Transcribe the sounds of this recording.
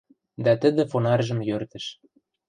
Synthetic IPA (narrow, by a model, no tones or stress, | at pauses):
d̪ɑt̪ə̆d̪ə̆fonɑrʒə̆mjørt̪ə̆ʃ